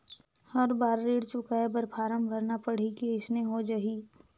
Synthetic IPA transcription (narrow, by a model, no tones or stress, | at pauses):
hɐɾbaːɾːeːɽt͡ʃʊkaebəɾpʰaːɾəmbʱəɾnapəɽ̤ikeɪsneɦod͡ʒɐɦi